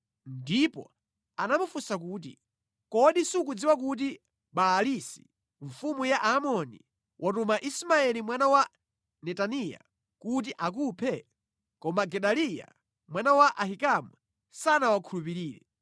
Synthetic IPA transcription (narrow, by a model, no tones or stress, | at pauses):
ndipɔ̰ | anamufusakuːt̬ḭ | kɔɗisukud͡ziwak̬ut̬i | ɓaːlisi̥ | ɱfumujaʔamɔni | wʔatumaʔismaɛlimwanawa | nɛtanija̰ | kut̬iʔak̬upʰɛ | kɔmaɡɛɗalija̰ | mwanawaʔahikamu | sanawakʰulupiɾiːɾɛ̰